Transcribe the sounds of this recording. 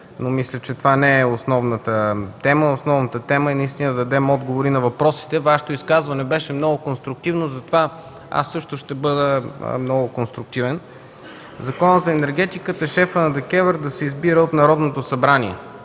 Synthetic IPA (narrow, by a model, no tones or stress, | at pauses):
nomislʲət͡ʃɛt̪ovanɛɛosnɔvnət̪ət̪ɛməosnɔvnət̪ət̪ɛməinɐist̪inəd̪ɐd̪ɐd̪ɛmɔd̪ɡovoɾinɐvɐpɾɔsi̥t̪ɛvaʃo̥t̪oiskazvɐnɛbɛʃɛmnɔɡokonst̪ɾʊk̚t̪ivnozɐt̪ova | a̰sːɤʃt̪oʃt̪ɛbɤd̪ə̰mnɔɡʊkonst̪ɾʊk̚t̪ivɛn | zɐkɔnət̪zɐɛnɛɾɡɛt̪ikət̪əʃɛfənɐd̪ɛkɛvɛɾd̪ɐsɛizbiɾəot̪nɐɾɔd̪not̪osɐbɾaniɛ̰